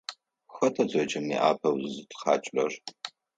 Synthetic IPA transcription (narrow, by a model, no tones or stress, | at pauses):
xɐtʰɐzʼɐt͡ʃʰʼɐmḭʔa̰ːpʰɐwzɨtχɑːt͡ʃʼɐr